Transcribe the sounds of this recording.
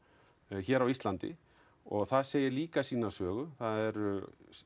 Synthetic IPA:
çɛːɾawist̪lant̪ɪ̰ | ɔɣθaðseːjɪɾliːkasiːnasœːɣʏθaðɛɾ

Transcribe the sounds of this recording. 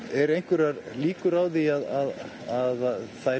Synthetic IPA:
ɛɾejŋ̥kvɛɾaɾliːkʏɾawðiaðað | aðθa

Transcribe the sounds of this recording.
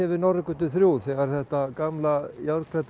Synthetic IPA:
ɛvɪnɔɾkʏt̪ʏθɾjuːθɛɣaɾ̥θɛht̪akamlajawɾkʰɾɛt̪

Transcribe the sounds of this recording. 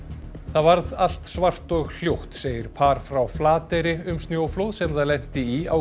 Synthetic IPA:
θaðvaɾðal̥t̪svar̥t̪ɔɣl̥jowht̪seːjɪɾ̥pʰaːɾ̥fɾawflaːt̪ɛɾɪʏmst̪njoːwflowðsɛmθaðlɛjn̥t̪ɪia̰w

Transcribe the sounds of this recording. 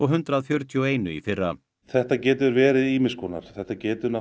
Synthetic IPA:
ɔɣɦʏnt̪ɾaðfjœɾt̪ʰiɔeːjnʏ̰ḭfɪrːa | θɛht̪acɛːt̪ʏɾvɛːɾɪðiːmɪskʰɔːna̰ɾ̥θɛht̪acɛːt̪ʏna

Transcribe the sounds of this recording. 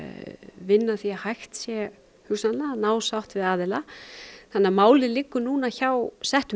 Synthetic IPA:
vɪnːaθiahajxt̪sjɛ | hʏsnalanaːwsawht̪vɪðaːðɪlaθanːamaːwlɪlɪkːʏnuːnaçawsɛht̪ʏ

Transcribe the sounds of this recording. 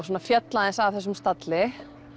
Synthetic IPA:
soːnafjɛt̪laðɪnsavθɛs̬ʏmst̪at̪lɪ

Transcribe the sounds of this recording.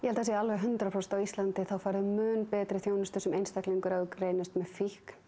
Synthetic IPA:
jɛhɛlas̬jalvɛɣɦʏnt̪ɾapʰɾowst̪awist̪lant̪ɪθawfaːɾɪðmʏːnpɛːt̪ɾɪθjoːwnɪst̪ʏsɛmejnst̪ahkliŋkʏɾaʏkreːjnɪst̪mɛðfihk

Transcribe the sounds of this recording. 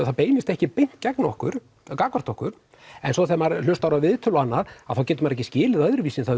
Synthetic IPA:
θaðpeːjmɪst̪ɛhcɪpejŋn̥t̪cɛknɔhkʏɾ̥ | kaːkɔɾ̥t̪ɔhkʏɾ̥ | ɛnsɔθɛmaɾl̥ʏst̪awɾavɪðt̪ʰœlanːaɾ̥að̥θawcɛːt̪ʏmaɾɛhcːɪscɪːlɪðœðɾʏviːsɪnθa

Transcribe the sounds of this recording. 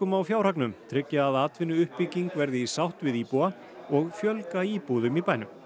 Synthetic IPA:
ʏmawfjaːwɾ̥aknʏmt̪ʰɾɪcːaːðaːt̪vɪnːʏʏhpːiciŋkvɛɾðɪisawht̪vɪðiːpua | ɔɣfjœlkaiːpuðʏmipaːjnʏm

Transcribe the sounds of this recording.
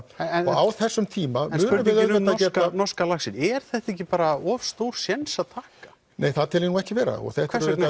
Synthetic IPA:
ɛnɔaːwθɛsːʏmt̪ʰiːmanmsʏːnʏʏvɪðœɛt̪acɛːtanɔskalaxsɪnɛɾ̥θɛht̪ehcɪpaːɾaɔfst̪owɾ̥sjɛnsaðt̪ʰaːkḁ | neːjθaðt̪ʰɪːlinuɣɛhcɪvɛːɾa̰ɔ̰ɣθɛt̪vɛsɛn

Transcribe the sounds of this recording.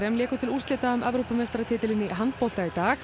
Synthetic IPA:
ɾɛmlɛːkʏt̪ʰɪlust̪ɪːt̪aʏmʔɛvɾuːpamest̪aɾat̪ʰɪːt̪ɪlɪnːɪɦant̪pɔl̥t̪ait̪aːx

